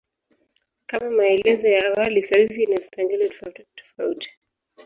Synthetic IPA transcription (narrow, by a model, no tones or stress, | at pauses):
kamamaɛlɛzɔjaːwalisaɾifinavipaŋɡɛnɛtɔ̥fauti̥